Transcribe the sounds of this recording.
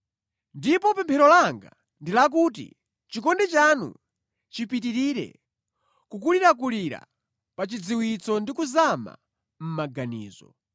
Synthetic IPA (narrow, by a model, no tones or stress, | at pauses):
ndipɔpɛmpʰɛɾɔlaŋɡa | ndilak̬ut̬ḭ | t͡ʃikɔndɛt͡ʃanṵ | t͡ʃipitiɾiɾɛ̰ | kuk̬uliɾak̬uliɾa̰ | pat͡ʃid͡ziwit͡sɔndikuzama̰ | m̩maɡaniːzɔ̰